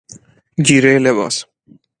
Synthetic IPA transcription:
ɡiɾeleba̰s

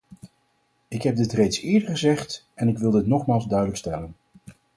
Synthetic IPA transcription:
ɪkɦɛb̚dɪtrejtsɪːɹdəɹχəzɛχt | ɛnɪkʋɪlˠdɪtnɔχmaːlˠzdœɥdələkstɛlən

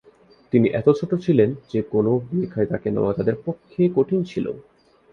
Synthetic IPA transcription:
t̪iniʔɛt̪ot͡ɕʰoʈot͡ɕʰilend͡ʑekonobikʰaet̪akenḛoat̪ad̪eɾpokʰːekoʈʰint͡ɕʰilo̰

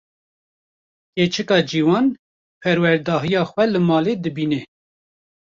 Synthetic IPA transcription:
ket͡ʃʰɨkɑːd͡ʒiːwɑːn | pʰɛɾwɛɾd̪ɑːɦijɑːxʷwɛlɨmɑːleːd̪ɨbiːnɛ

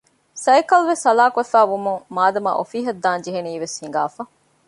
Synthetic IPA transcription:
sɐjkɐlʋesɐlaːkɐfæːʋumuŋmaːd̪ɐmɐ̰ʔo̰fiːɦɐd̪ːaːnd͡ʒiɦeniːʋeshiŋ̆ɡa̰ːfɐ

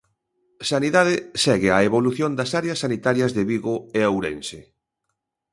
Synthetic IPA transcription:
saniðaðɪsɛɣɪaeβoluθjond̪ɐsaɾeɐsːanit̪aɾjɐzðeβiɣoeawɾensɪ

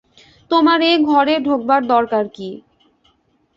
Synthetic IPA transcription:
t̪omaɾeɡʱɔɾeɖʱok̚baɾd̪ɔɾkaɾki

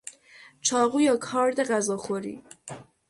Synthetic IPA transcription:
t͡ʃʰɒːɣujɒːkʰɒːɾd̪eɣæzɒːxoɾḭː

